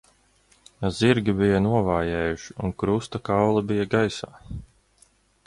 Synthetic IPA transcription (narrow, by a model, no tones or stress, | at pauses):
aziɾɡʲibijɐnuɔvaːjɛːjuʃi̥unkɾust̪akawlˠabijaɡajsa̰ː